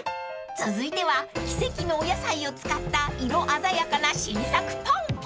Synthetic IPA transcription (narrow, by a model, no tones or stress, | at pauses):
t͡sɨzɨit̪e̞β̞akʲi̥se̞kʲino̞ːjasaio̞t͡sɨ̥kat̪ːaiɾo̞ʔazajakanaɕiɾʲisakɯ̟̥t̪õɴ